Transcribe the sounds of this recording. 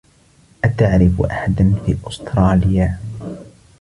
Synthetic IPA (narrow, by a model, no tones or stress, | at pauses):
ʔat̪aʕɾɪfʔa̰ħad̪anfiːʔʊst̪ɾˤɑːlɪjaː